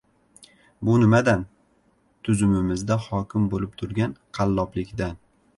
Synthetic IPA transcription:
bʊnɪmad̪an | t̪ʰʊzʊmɪmɪzd̪ahɒkʲʰɪmbolɪp̚t̪ʰʊɾɡʲanqʰɑlˠːɒplɪkʲd̪an

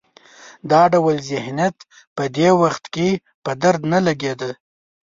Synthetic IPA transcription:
d̪ɑɖawəlzɪhnjat̪ | pəd̪ewaxt̪ke | pəd̪aɾd̪nalaɡed̪ə

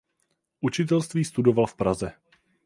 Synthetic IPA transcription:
ʔut͡ʃɪt̪̬ɛlst̪viːst̪udo̞valfpɾazɛ

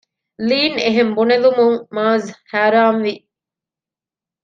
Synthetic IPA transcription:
liːneɦembunelumuŋmaːzhaːɾaːmʋi

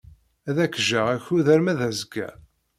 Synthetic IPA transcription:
æðækːʒæʁæçuðæɾmæðæzɡæ̰

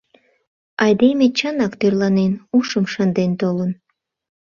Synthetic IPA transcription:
ɑjd̪emʲet͡ɕənɑkt̪ørlɑnenuʃəmʃənd̪ent̪olən

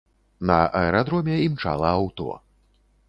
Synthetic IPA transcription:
nɐ̰ʔɐɛɾad̪ɾɔmʲɛimt͡ʂa̰lˠɐawt̪ɔ̰

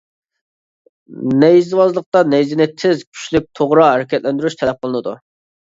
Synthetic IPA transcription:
nɛjzwɑzlˠəq̚t̪ɑnɛjzɪnɪt̪ʰɪzkʲʰy̥ʃlyp̚t̪ʰoʁɾɑɦæɾɪkʲɛt̪lɛnd̪yɾyʃt̪ʰɛlɛp̚qʰəlˠɨnɨd̪ṵ

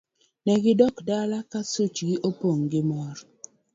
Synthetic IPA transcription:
nɛɡɪdɔkdalakasut͡ʃɡɪʔopoŋɡɪmɔɾ

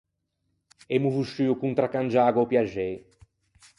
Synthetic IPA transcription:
ɛmuvuʃyukũnt̪ɾakãnd͡ʒaɡwaopjaʒɛj

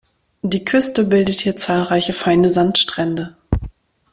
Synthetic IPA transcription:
d̥iːkʰʏstəbɪldəthiːɐt͡saːlʁaɪçəfaɪnəzantʃtʁ̥ɛndə

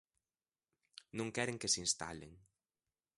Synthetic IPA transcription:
nõŋkɛɾeŋkesinst̪a̰lḛŋ

